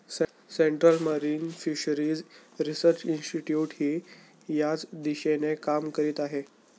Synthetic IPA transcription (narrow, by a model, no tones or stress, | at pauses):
s | seɳʈɾəlməɾiːnfiɕəɾiːd͡zɾisəɾt͡ɕinsʈiʈjuːʈhiː | jat͡sd̪iɕenekamkəɾiːt̪aɦe